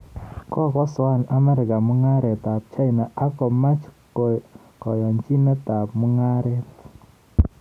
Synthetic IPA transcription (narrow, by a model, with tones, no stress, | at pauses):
kɔ˦˨kɔ˦swa˦˨na˦mɛ˦ɾɪ˨ka˨mʊ˦ŋa˦ɾɛ˨t̪a˨p̚t͡ʃa˦ɪ˨na˨ʔa˦kɔ˨ma˦t͡ʃ | kɔ˨jɔ˨nt͡ʃi˦nɛ˦t̪a˨pmu˦ŋa˦ɾɛ˦